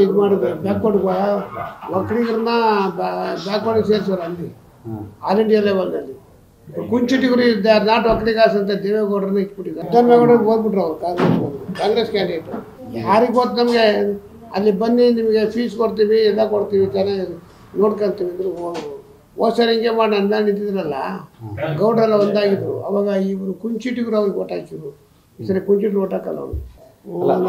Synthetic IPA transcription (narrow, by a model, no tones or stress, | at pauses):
id͡ʒmaːɽbebaːkːoɖikɐaʋɐkːɽiɡɐɾɐnːɐbbaːkːoɽiseːɾsɐʋɾɐlːi | aːliɳɖiɐlːebɐɡɐlːi | kuɲt͡ʃiʈːikuɾuid̪eaɾnaːʈʋɐkːɽikaːsɐnt̪ɐd̪eʋeɡoɖɾnɐikpiʈːikɐd̪ɐnːɐɡɐɽubod̪̚biʈɾɐʋɾukaːŋɡɾeskonukaːŋɡɾeskaːɳɖiʈːu | aːɾiɡɔt̪ːnɐmɐɡe | ɐlːibɐnːinimɐɡe̞pʰiːskoɽt̪iːʋiɛlːakoɽt̪iʋit̪ane | noːɽkɐɳt̪iʋid̪ɾu | ɔsɐɾiŋɡemaːɖnanmelnit̪ːid̪ɐɾɐlːɐ̰ | ɡɐwɖɐlːɐond̪aːɡid̪ɾṵɐ̰ʋaːɡɐiʋɐɾukuɲt͡ʃiʈːiɡuɾɐʋɐnɔːʈːaːt͡ʃid̪u | isɐɾekuɲt͡ʃiʈlɔʈːaːkɐ̰lːɐ̰ʋɐ̰nu